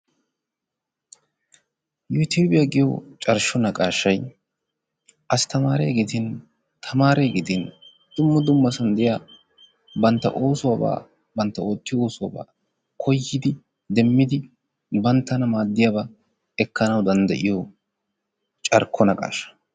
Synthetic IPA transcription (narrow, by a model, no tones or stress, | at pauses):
jut̪ʰuːbɪjɐɡɪjɔ̰t͡ʃʼɐɾʃɔnɐkʼaːʃːɐj | ʔɐst̪ɐmaːɾɛːɡet̪ɪn | t̪ʰɐmaːɾɛɡet̪ɪn | d̪̥ʊmːɐd̪ʊmːɐsɐnd̪ɛja | bɐnt̪ːɐ̰ʔoːsʊwɐba̰ː | bɐnt̪ːɐo̞ːt̪ːɪjoːsʊwaːba̰ː | kʰɔjːɪd̪ɪ | d̪ɛmːɪd̪ɪ | bɐnt̪ːɐnɐmaːd̪ːɪjabɐ | ɛkːɐnɐwd̪ɐnd̪ɐ̰ʔɪjɔ | t͡ʃʼɐɾkʰːɔnɐkʼa̰ːʃɐ̥